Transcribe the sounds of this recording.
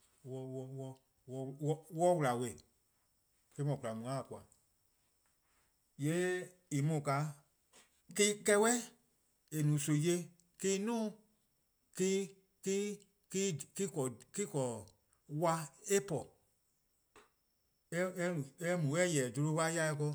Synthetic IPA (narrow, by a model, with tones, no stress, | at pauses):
wɔ˨wɔ˧wɔ˧ | wɔ˧wɔ˦wɔ˦wu˧la˨we˧˨ | ke˧˦mɔ̃˨ku˨la˨mũ˨ã˦˨ku˨a˨ | je˨˦ | i˨mũ˨ka˨˦ | ki˦kɛ˧˦wɛ˦ | e˨nũː˨˦so˨je˧˦ | kiː˦nɔ̃ː˦ | ki˦ | ki˦ | ki˦ki˦kɔ˨ki˦kɔ˨ | wa˧e˦pɔ˨ | ɛ˦ɛ˦ũ˨ɛ˦mũ˨wɛ˦jɛ˨do˧ɾo˧˦pa˦ja˧˦ɛ˧kɔ˧